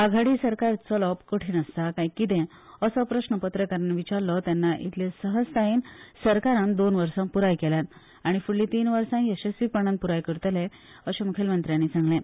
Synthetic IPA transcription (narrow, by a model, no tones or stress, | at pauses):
aɡʱaɽiːsəɾkaɾt͡sɔlɔpkəʈʰiːnəst̪akajkit̪ẽ | əsɔpɾəɕnəpət̪ɾəkəɾnʋit͡ɕaɾlɔt̪janːaʔḭt̪lesəɦəst̪ajinsəɾkaɾãnd̪onʋəɾsãmpuɾajkeljat̪ | aɽ̃ifuɭːĩt̪iːnʋəɾsãəɕesiːpəɽ̃ãn̚puɾajkəɾt̪əle | əɕemukʰelmənt̪ɾjanːiːsãŋɡlẽ